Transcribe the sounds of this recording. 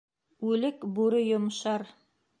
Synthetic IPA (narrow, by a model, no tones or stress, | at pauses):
ʉlɘkbuɾɘjŏmʃɑɾ